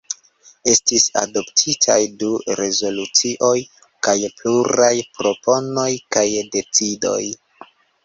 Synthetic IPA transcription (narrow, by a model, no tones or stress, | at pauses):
e̞stisa̰do̞ptʰitʰa̰jduɾe̞zo̞lut͡siʔo̞j | kajpluɾajpɾo̞po̞no̞jkajde̞t͡sido̞̰j